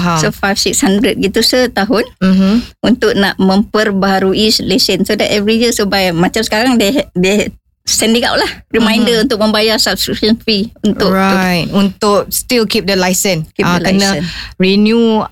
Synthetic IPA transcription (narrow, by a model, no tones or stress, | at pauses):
ɦasofajfsikshandɾət̚ɡit̪usət̪aɦʊnm̩munt̪ʊk̚naʔmə̃mpərbaɦaɾuislesənsodɛtɛvɾijisobajmãt͡ʃamsə̥kaɾaŋdede | sɛ̃ndiŋa̰wʔlahrimãjndəunt̪ʊk̚mə̃mbajasab̚skɾikʃənfɾiunt̪ʊʔɹajt̚unt̪ʊk̚stilkip̚dəlajsə̃nkip̚adlkənəənɹinju